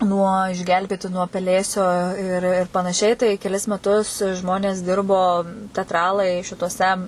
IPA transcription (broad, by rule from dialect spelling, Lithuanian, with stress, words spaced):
nuɔ ɪʒʲˈɡʲɛlʲbʲeːtʲɪ nuɔ pʲɛˈlʲeːsʲoː ɪr ɪr pɐnɐˈʃʲɛɪ tɐɪ kʲɛˈlʲɪs mʲɛˈtʊs ˈʒmoːnʲeːs ˈdʲɪrboː tʲɛtˈrɑːlˠɐɪ ʃʲɪtuɔˈsʲɛ